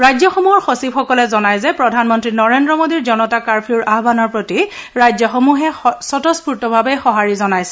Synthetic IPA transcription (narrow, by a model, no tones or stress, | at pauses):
ɹajzjɔxɔmuɦɔɹxosipxɔkɔlɛzɔnajzɛpɹɔdʱanmɔntɹinɔɹendɹɔmodiɹzɔnɔtakaɹpʰiuɹʔabanɔɹpɹotiɹajzjɔxomuɦɛsɔtɔspuɹtɔbʱabɛxɔɦaɹizɔnajsɛ̥